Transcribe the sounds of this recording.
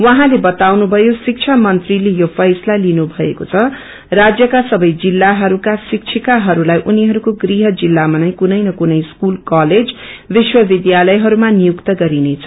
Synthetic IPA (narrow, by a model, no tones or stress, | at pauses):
wʌɦãlebʌt̪awnubʱʌjosik̚t͡sʰamʌnt̪rilejopʰʌjslalinubʱʌḛkot͡sʰʌ | rad͡zjʌkasʌbʌjd͡zilːaɦʌɾukasik̚t͡sʰikaɦʌɾulajʔuniɦʌɾukoɡriɦʌd͡zilːamʌnajkunʌjnʌkunʌjskulkʌled͡zbiswʌbid̪jalʌjɦʌɾumanijukt̪ʌɡʌɾinet͡sʰʌ